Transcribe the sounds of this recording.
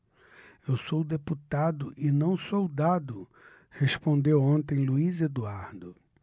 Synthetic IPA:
ewsowd̪eput̪ad̪ʊʔɪnɐ̃w̃sowd̪ad̪ʊ | hespõnd̪ewõnt̪ẽj̃luized̪uaɾd̪ʊ

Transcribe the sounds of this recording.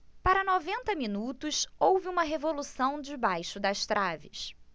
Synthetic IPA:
paɾɐnovẽnt̪ɐminut̪ʊsowvɪũmɐɦevolusɐ̃w̃d͡ʒɪbajʃʊd̪ɐʃt̪ɾavɪs

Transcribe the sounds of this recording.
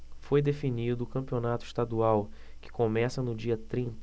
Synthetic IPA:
fojd̪efinid̪ʊːkɐ̃mpionat̪ʊiʃt̪ad̪uaw | kɪ̥komɛsɐnʊd͡ʒiɐt̪ɾĩnt̪

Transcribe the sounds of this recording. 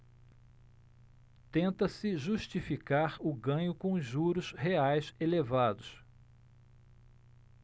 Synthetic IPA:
t̪ẽnt̪ɐsɪʒuʃt͡ʃifikaɾʊɡɐ̃ɲʊkõʒuɾʊsheajselevad̪ʊs

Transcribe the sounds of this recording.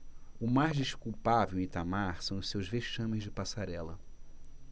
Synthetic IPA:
ʊmajzd͡ʒiʃkuwpavewĩt̪amaɾsɐ̃w̃ʊʃsewzveʃɐ̃mɪzd͡ʒɪpasaɾɛlɐ

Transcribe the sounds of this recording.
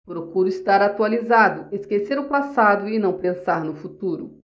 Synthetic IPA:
pɾokuɾʊist̪aɾat̪ualizad̪ʊeskeseɾʊpasad̪ʊɪnɐ̃w̃pẽsaɾnʊfut̪uɾʊ̰

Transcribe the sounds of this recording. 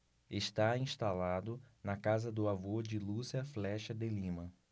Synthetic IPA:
eʃt̪aĩʃt̪alad̪ʊnɐkazɐd̪ʊavod͡ʒɪlusiɐflɛʃɐd̪elĩmɐ

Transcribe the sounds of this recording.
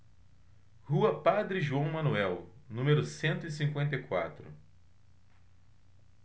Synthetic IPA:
huɐpad̪ɾɪʒuɐ̃w̃mɐ̃nuɛwnũmeɾʊsẽnt̪ʊisĩŋkwẽnt̪̬ɐjkwa̰t̪ɾʊ̰

